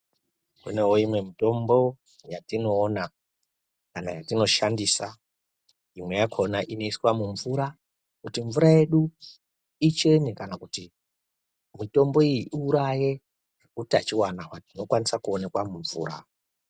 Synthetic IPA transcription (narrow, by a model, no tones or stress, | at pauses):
kṵne̞woimwe̞mito̞mbo̞ | jatino̞ːna | kanajatino̞ʃandisa | imwe̞jakʰo̞naʔino̞iswamuɱvuɾa | kutiɱvuɾaje̞ɗu | it͡ʃe̞nikanakuti | mito̞mbo̞ijiʔiuɾaje̞ | utat͡ʃiwanawatino̞kwanisakuone̞kwamuɱvṵːɾa̰